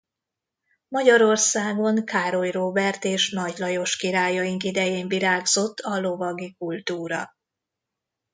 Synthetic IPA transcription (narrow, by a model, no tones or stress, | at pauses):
mɒɟɒɾo̞rsaːɡo̞ŋkaːɾo̞jroːbɛrt̪eːʃnɒɟlɒjo̞ʃkiɾaːjɒjiŋkid̪ɛjeːɱviɾaːɡzo̞t̪ʰːɒlo̞vɒɡikult̪uːɾɒ